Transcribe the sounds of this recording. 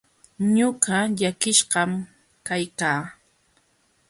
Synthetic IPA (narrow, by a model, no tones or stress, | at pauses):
ɲʊɢaʎakɪʃɢɑm | kajkaː